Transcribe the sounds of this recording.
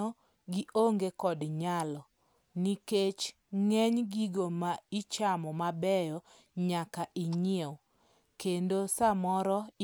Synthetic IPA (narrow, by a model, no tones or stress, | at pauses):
ɔ | ɡiʔoŋɡekɔdɲalɔ | niket͡ʃ | ŋɛɲɡiɡomait͡ʃamɔmabɛjɔ | ɲakaʔiɲɪew | kendosamɔɾɔ